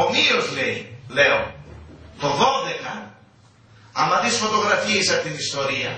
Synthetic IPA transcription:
omio̞zle̞ile̞o | t̪o̞ðo̞ðe̞kɐ | ɐmɐðisfo̞t̪o̞ɣɾɐfiesɐpot̪inist̪o̞ɾiɐ

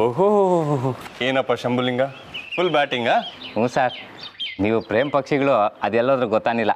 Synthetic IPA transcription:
oɦoɦoɦoɦoɦoeːnɐpːaʃɐmbuliŋɡa | pʰulbaːʈiŋɡaːɦuːsaːɾ | niːʋupɾeːmpɐkʂiɡɐɭuɐd̪ɛlːoːd̪ɐɾuɡɔt̪ːaːnilːɐ

